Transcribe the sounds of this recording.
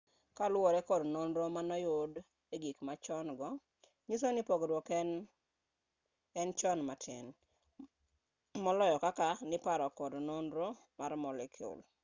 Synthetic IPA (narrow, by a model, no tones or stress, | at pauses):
kalʊwɔɾɛkɔdnonɾomanɔjʊd | eɡikmat͡ʃɔnɡɔ | ɲis̬onɪpoɡdwɔkn | ɛnt͡ʃɔnmatʰɪ̰n | mɔlɔjɔkakanɪpaɾɔkɔdnonɾo | maɾmɔlɛkʰjṵl